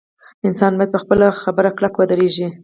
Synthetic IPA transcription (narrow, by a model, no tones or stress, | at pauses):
ɪnsɑnbɑjad̪̚pəxpəlaxabəɾaklakwad̪aɾeʒi